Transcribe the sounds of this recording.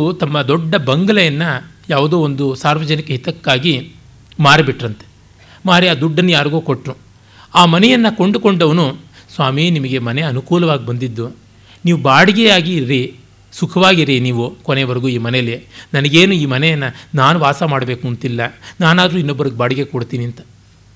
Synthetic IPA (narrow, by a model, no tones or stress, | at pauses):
ut̪ɐmːɐd̪ɔɖːɐbɐŋɡɐlɐjɐnːɐjaːʋud̪oːond̪usaːɾʋɐd͡ʒɐnikɐɦit̪ɐkːaːɡi | maːɾibiʈːɾɐnt̪e̥ | maːɾiaːd̪uɖːɐnːujaːɾɐɡuːkoʈːɾu | aːmɐnɛjɐnːɐko̞ɳɖuko̞ɳɖɐʋɐnu | sʋaːminimɐɡe̞mɐneɐnukuːlɐʋaːɡibɐnd̪id̪ːu | niːʋubaːɽiɡɛjaːɡiɾi | sukʰɐʋaːɡiɾiniːʋukoneʋɐɾɐɡuːiːmɐnelenɐnɐɡeːnuiːmɐnɛjɐnːɐnaːnuʋaːsɐmaːɽɐbe̞ːkunt̪ilːɐnaːnaːd̪ɐɾuːinːobːɐɾiɡebaːɽiɡekoɽt̪iːniɐnt̪ɐ̥